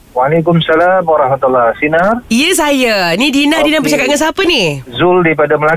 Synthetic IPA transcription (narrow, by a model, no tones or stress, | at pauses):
walekʊmsalamwaɾɑhmat̪ulːasinarijəs̬ajanidinadinapərt͡ʃakat̪̚ŋansapənizʊldip̬adaməla